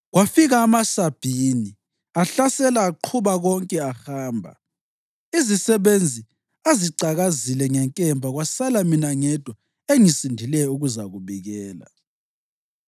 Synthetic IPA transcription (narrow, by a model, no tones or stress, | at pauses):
ɣwafiɣaːmasab̥ʱiːni | aɬasɛlaːǃʰuβaɣɔŋkʼɛaxaːmbʱa̰ | izisɛβend͡zʱi | aziǀaɣazilɛŋɛŋkʼɛmbʱaɣwasalaminaŋɛd̥ʱwɔ | eŋisindʱilɛuɣuzaɣuβiɣɛːla̰